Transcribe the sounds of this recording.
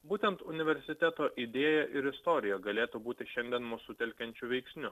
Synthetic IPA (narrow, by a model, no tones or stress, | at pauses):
buːt̪ʲɛnt̪ʊnʲɪʋʲɛɾʲsʲɪt̪ʲɛt̪oːʔɪd̪ʲeːjɛʔɪɾɪst̪ɔːɾʲɪjɛɡɐlʲeːt̪ubuːt̪ʲɪʃʲɛnʲd̪ʲɛnmusʊt̪ʲɛlʲkʲɛnʲt͡ʃʲʊʋʲɛɪksʲnʲʊ